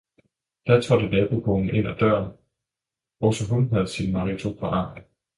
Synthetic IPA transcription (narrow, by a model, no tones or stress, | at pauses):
d̥æt͡sʰʁɒdənɛːb̥okʰɔnn̩ʔe̝n̰æd̥ɶɐ̰n | ɒsɒɦunɦæð̞ˠsinmɑ̈ʁit͡sʰopʰɒʔɑ̥̈ː